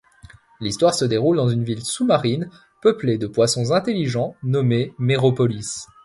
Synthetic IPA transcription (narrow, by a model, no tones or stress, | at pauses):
list̪waʁsəd̪eʁuld̪ɑ̃zynvilsumaʁin | pəpled̪əpwasɔ̃zɛ̃t̪elːiʒɑ̃nɔmemeʁɔpɔlis